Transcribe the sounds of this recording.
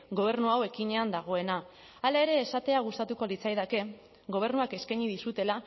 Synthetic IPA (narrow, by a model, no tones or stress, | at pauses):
ɡo̞β̞e̞ɾnuawe̞kiɲe̞and̪aɣ̞o̞e̞naː | lae̞ɾe̞ːsat̪e̞aɣ̞ust̪at̪uko̞lit͡sajðake̞ | ɣo̞β̞e̞ɾnuake̞skajɲiðisut̪e̞la